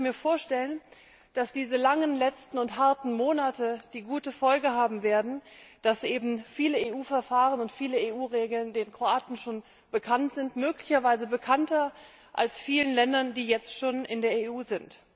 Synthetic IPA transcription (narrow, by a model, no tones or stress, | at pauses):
miːɐfoːɐʃtɛlən | d̥asd̥iːzəlaŋənlɛt͡stn̩ʊntɦaɐtn̩moːnatəd̥iːɡuːtəfɔlɡəhaːbm̩veːɐdn̩d̥asʔeːbm̩fiːləeːʔuːfɛɐfaːʁənʊntfiːləeːʔuːʁeːɡl̩ndeːnkʁ̥oaːtn̩ʃoːn | b̥əkʰantz̥ɪntmøːklɪçɐvaɪzəbəkʰantɐ | ʔa̰lsfiːlənlɛndɐndiːjɛt͡stʃoːnʔɪndeːɐeʔuːzɪnt